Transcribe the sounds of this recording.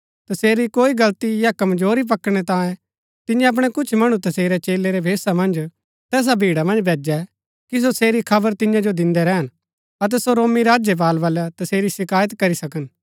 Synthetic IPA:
t̪ɐseːɾikoːiɡɐlt̪ijakɐmd͡ʒoːɾip̬ɐkɽ̃ɛt̪ãːjẽ | t̪ɪjãɐp̬ɽ̃ɛkʊt͡ʃʰmɐɽ̃ũt̪ɐseːɾɛt͡ʃeːleɾɛbʱeːsamɐ̃nd͡ʒ | t̪ɛːs̬abʱiːɽamɐ̃nd͡ʒbʱeːd͡ʒɛ | kis̬oseːɾikʰɐbəɾt̪ɪ̃jãd͡ʒod̪ɪ̃nd̪ɛɾɛɦən | ɐt̪̬ɛsoɾoːmiɾaːd͡ʒjəp̬aːlʋaːljat̪ɐseːɾisɪkaːjət̪kɐɾisɐkən

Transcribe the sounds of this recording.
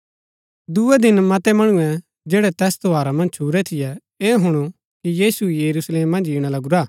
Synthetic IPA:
d̪uɛd̪ɪnmɐt̪ɛmɐɽ̃uɛ̃ | d͡ʒeːɽɛt̪ɛːst̪oaːɾamɐ̃nd͡ʒt͡ʃʰuɾɛt̪ʰɪjɛ | eːɦʊɽ̃u | kijiːsujɐɾuːsleːmːɐ̃nd͡ʒiːɽ̃alɐɡuɾaː

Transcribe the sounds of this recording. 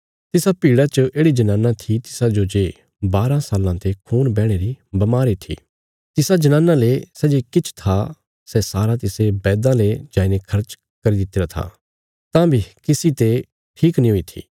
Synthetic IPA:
t̪ɪsapiːɽat͡ʃəʔeːɽid͡ʒɐnãːnãt̪ʰit̪ɪ̥sad͡ʒod͡ʒeː | baːɾãsaːlãt̪ekʰuːnbɛːɽ̃eɾibɐmaːɾit̪ʰḭː | t̪ɪsad͡ʒɐnãːnãlesɛːd͡ʒekɪt͡ʃʰt̪ʰa | sɛsaːɾat̪ɪsebɛːd̪ãled͡ʒaːĩnekʰɐɾt͡ʃ | kɐɾid̪ɪt̪ːeːɾat̪ʰa̰ː | t̪ãːbʱikɪsit̪e | ʈʰiːknĩɦoit̪ʰḭː

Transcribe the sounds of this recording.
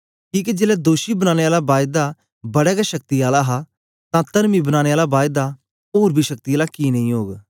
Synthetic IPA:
kiːk̬id͡ʒeːlɛd̪oːʃibɐnãːñeaːlabaːjd̪a | bɐɽɛɡaʃɐk̚t̪ijaːlaɦa | t̪ãt̪ɐɾmibɐnãːeaːlabaːjd̪a | oːɾbʱiʃɐk̚t̪iaːlakinɐ̃ɦĩːɦoːɡ

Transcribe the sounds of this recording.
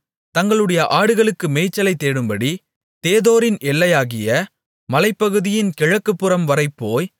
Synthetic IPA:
t̪ɐŋɡɐɭɯɽɐjɐʔaːɽɯɣɐɭɯkːɯmɛɪt͡ʃːɐlɐɪt̪ːeːɽɯmbɐɽi | t̪eːðoːɾɪnʔɛlːɐjaːɣɪjɐ | mɐlɐɪpːɐɣɯðɪjɪnkɛɻɐkːɯpːɯɾɐmʋɐɾɐɪpːoːj

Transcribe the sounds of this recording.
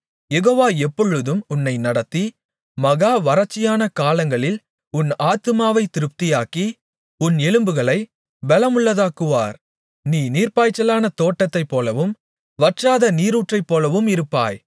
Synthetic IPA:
jɛɣoːʋaːɛpːɔɻɯðɯmʊnːɐɪnɐɽɐt̪ːi | mɐɣaːʋɐɾɐt͡ʃːɪjaːnɐkaːlɐŋɡɐɭɪl | ʊnaːt̪ɯmaːʋɐɪt̪ːɪɾɯp̚t̪ɪjaːki | ʊnɛlɯmbɯɣɐɭɐɪ | bɛlɐmʊɭːɐðaːkɯʋaːɾ | niːniːrpaːjt͡ʃːɐlaːnɐt̪oːʈːɐt̪ːɐɪpːoːlɐʋɯm | ʋɐʈraːðɐniːɾuːʈrɐɪpːoːlɐʋɯmɪɾɯpːa̰ːj

